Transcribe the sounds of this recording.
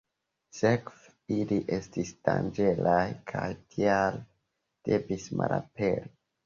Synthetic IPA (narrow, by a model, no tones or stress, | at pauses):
sekv | iliʔe̞stisd̥and͡ʒe̞lajkʰajtʰial | d̥e̞visma̰lapeɾi